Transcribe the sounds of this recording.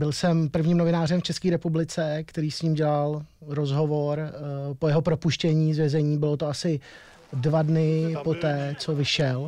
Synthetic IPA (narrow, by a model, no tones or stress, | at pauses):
bɪlsɛmpr̩vɲiːmno̞vɪnaːrɛmft͡ʃɛskiːɾɛpublɪt͡sɛkt̪ɛɾiːsɲiːmɟɛlalɾo̞zɦo̞vo̞ɾpojɛɦopɾopuʃcɛɲiːzvjɛzɛɲiːbɪlo̞t̪oasɪ | dvadnɪpo̞t̪ɛːt͡so̞vɪʃɛl